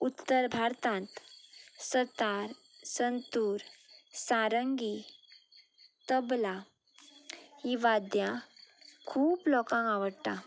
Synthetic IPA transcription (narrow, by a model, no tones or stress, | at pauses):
ut̪ːəɾbʱaɾt̪ãnt̪sət̪aɾ | sənt̪uːɾsaɾəŋɡi | t̪əbla | hiʋad̪jã | kʰuːplɔkãŋɡaʋəɽt̪a